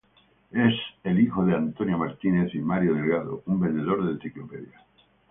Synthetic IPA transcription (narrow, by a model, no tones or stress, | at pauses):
e̞selixo̞ð̞eant̪o̞njo̞maɾt̪ine̞θimaɾjoðe̞lɣaðo̰umbe̞nd̪e̞ðo̞ɾðen̟θiklope̞ðja